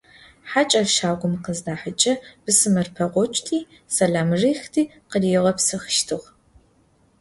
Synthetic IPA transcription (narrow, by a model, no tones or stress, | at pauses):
ħat͡ʃʼɐfʃaːɡʷʊmqəzdaːħət͡ʃʼɐb̥ɨsɨmɐrpʰɐʁʷɔt͡ʃʼtʰiː | sɐɮaːmriːxtʰiː | qədiːʁɐpsɨxʃtʰɨʁ